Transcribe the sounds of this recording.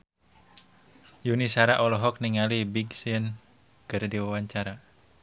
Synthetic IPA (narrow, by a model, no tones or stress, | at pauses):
junisaɾaʔɔlɔɦɔk̚niŋalibiɡsin | ɡ̥ərdiwawaɲt͡ʃaɾa